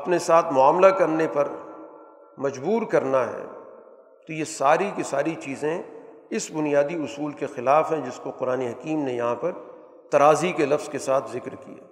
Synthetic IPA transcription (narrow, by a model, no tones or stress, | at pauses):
ɐpnesaːt̪ʰmʊaːmlakɐɾnepɐɾ | mɐd͡ʒbuːɾkɐɾnaɦɛ̰ː | t̪ojesaːɾikesaːɾit͡ʃiːzẽ | ɪsbʊnijaːd̪iʊsuːlkexɪlaːfɦɛ̃d͡ʒɪskoqʊɾaːneɦɐkiːmnejɐɦãpɐɾ | t̪ɐɾaːzikelɐfz̥kesaːt̪ʰzɪkɾkḭja̰ː